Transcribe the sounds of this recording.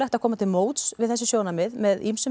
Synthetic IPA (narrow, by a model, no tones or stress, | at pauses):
ajxt̪akʰɔːmat̪ʰɪlmoːwt̪svɪðθɛs̬ɪsjoːwnamɪðmɛðimsʏ